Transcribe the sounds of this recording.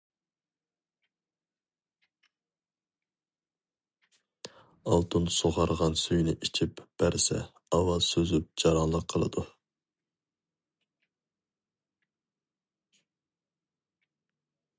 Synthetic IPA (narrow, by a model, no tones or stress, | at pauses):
ɑlˠt̪ʰunsoʁɑɾʁɑnsyjnɪʔit͡ʃʰipb̥æɾsɛ̰ | ɑwɑzsøzyp̚d͡ʒɑɾɑnlˠəqʰəlˠɨ̰d̪u